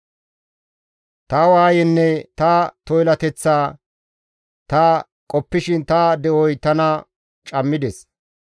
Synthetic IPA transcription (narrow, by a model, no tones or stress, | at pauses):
t̪ɐwaːjɛnːɛt̪ɐt̪ɔjlɐt̪ɛt͡sːaː | t̪ɐ | kʼɔpːɪʃɪnt̪ɐd̪ɛʔɔjt̪ɐnɐ | t͡ʃʼɐmːɪd̪ɛs